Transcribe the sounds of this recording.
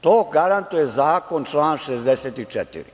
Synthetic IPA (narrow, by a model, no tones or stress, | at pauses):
t̪oːɡaɾant̪ujezaːko̞nt͡ʃlˠaːnʃezd̪eseːt̪it͡ʃɛt̪ḭɾḭ